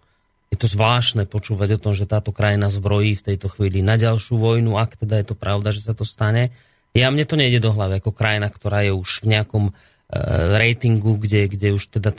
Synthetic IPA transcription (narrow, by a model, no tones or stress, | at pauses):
jɛt̪ɔzʋlaːʃnɛːpɔt͡ʃuːʋaɟɔt̪ɔmʒɛt̪aːt̪ɔkɾajinazbɾɔjiːft̪ɛjt̪ɔxʋiːlinaɟalʃɪuʋɔjnuakt̪ɛd̪ajɛt̪ɔpɾaʊd̪aʒɛsat̪ɔst̪aɲɛ | jamɲɛt̪ɔɲɛjɟɛd̪ɔɦlaʋiakɔkɾajnakt̪ɔɾaːjɛuʒ̥vɲɛakɔm | ɾɛjt̪iŋɡuɡɟɛɡɟɛuʃt̪ɛd̪a